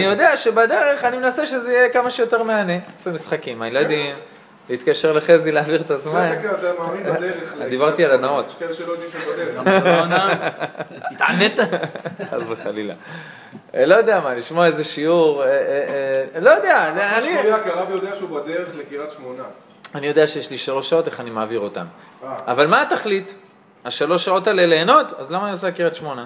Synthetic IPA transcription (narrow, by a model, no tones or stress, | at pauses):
nijo̞d̪e̞aʃebad̪e̞ʁe̞χanimenaseʃezejekamaʃejo̞t̪e̞ʁmeaneasemisχakimajelad̪im | leit̪kaʃe̞ʁleχezileaviʁet̪azmankeat̪amaminad̪eʁed̪ibaʁt̪ialanaotkeleʃelojod̪imʃeubad̪eʁeona | a̰net̪aa̰zbeχa̰lila̰ | lo̞jod̪eamaliʃmoaezeʃiuʁe | lo̞jod̪ealaniakiaʁabjod̪eaʃeubad̪eʁeχlekiʁat̪ʃmona | anijo̞d̪eaʃejeʃliʃalo̞ʃːao̞t̪e̞χanimaːviʁo̞t̪a̰m | aavalmaːt̪aχlit̪ | aʃalo̞ʃːao̞taleleːno̞t̪azlamaːniosekiʁat̪ʃmo̞na